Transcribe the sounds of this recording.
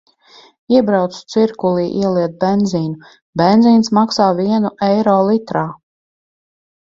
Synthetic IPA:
iɛbɾawt̪su̥t̪siɾkulˠiːʔḭɛlˠiɛt̪̚bend̪ziːnu | bend̪ziːnsmaksaːviɛnuʔɛjɾɔːlˠit̪ɾaː

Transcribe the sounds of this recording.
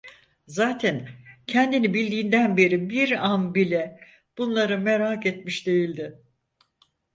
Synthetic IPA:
zaːt̪ʰæncʰɛnd̪inibilʲd̪iːnd̪ænbe̞ɾibiɾanbilʲɛ | b̥unlˠaɾɯmeɾaːket̪miʃd̪e̞jilʲd̪ɪ

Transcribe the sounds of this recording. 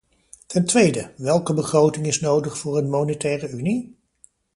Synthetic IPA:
tɛntʋejdəʋɛlˠkəbəχrowtɪŋɪsnowdəχfʊːɹənmonetɛːrəyni

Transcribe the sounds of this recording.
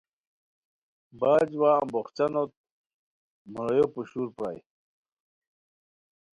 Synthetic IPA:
baːd͡ʑwaːboχt͡ɕanot̪̚ | muɾojopuɕuːɾpɾa̰ːj

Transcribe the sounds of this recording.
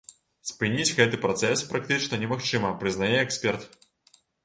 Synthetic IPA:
sʲpɨnʲid͡zʲɣɛt̪ɨpɾɔt̪sɛspɾak̚t̪ɨt͡ʂnɐnʲɛmaxt͡ʂɨmɐpɾɨznajɛɛksʲpʲɛrt̪

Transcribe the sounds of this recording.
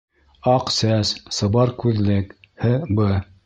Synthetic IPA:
ɑqsæssɤ̆βɑɾkʉðlɘkhɘbɤ

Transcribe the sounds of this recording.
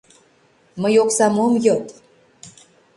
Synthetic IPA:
məjoksɑmomjɤt̪

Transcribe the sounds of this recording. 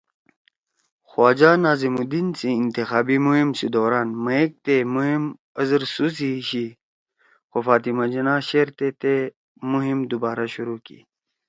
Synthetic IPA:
xwaːd͡ʑaːnaːzimud̪insiːnt̪ixaːbimuɦimsid̪oːɾaːnmɐek̚t̪emuɦim | ɐzəɾsusiɕi | xofaːt̪imad͡ʑinaɕeːɾt̪et̪e | muɦimd̪ubaːɾaɕuɾuːkḭ

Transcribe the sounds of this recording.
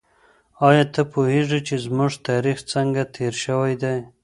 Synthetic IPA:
ɑjɑt̪əpoheʐit͡ʃezmuʐt̪ɑɾixt͡səŋɡat̪ʰeɾʃəwajd̪aj

